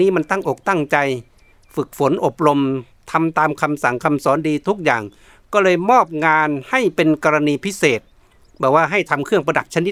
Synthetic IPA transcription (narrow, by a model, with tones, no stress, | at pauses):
niː˦˥ma˧nt̪a˥˩ŋʔo˨˩k̚t̪a˥˩ŋt͡ɕa˧j | fɯ˨˩k̚fo˨˦nʔo˨˩p̚ɾo˧m | t̪ʰa˧mt̪aː˧mkʰa˧msa˨˩ŋkʰa˧msɔː˩˦ndiː˧t̪ʰu˦˥k̚jaː˨˩ŋ | kɔː˧˥˩lɤː˧jmɔː˥˩p̚ŋaː˧nha˥˩jpe˧nkɔː˧ɾa˧niː˧pʰi˦˥seː˨˩t̪̚ | bɛː˨˩k̚waː˧˥˩ɦa˥˩jt̪ʰa˧mkʰɯ˥˩əŋpa˧da˨˩p̚t͡ɕʰa˧ni˦˥